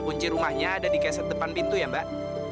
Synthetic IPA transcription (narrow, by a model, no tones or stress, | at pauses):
kuɲt͡ʃiɾumahɲaːdadikasat̪̚dəpanpint̪ujambaʔ